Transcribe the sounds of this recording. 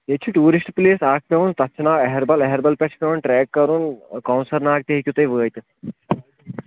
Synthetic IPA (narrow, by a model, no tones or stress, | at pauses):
et͡ʃʰiʈuːɾisʈpleːsaːk̚ʰpʲɐʋunt̪ɐt͡ʃːʰnaːʋɐɦɛɾbɐlɐɦɛɾbɐlpʲɐt͡ʃʰpʲɐunʈɾɛːɡːɐɾunkɐwnsɐɾnaːk̚t̪ɐɦikʲjut̪ɐjʋəːjt̪ʲ